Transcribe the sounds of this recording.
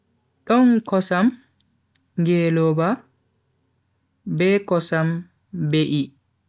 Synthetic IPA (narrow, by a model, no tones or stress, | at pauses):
ɗɔnkɔsam | ŋɡɛːlɔba | bɛkɔsam | beʔi